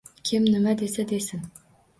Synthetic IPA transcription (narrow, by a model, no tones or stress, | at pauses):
kʲʰɪmnɪmad̪esad̪esɪn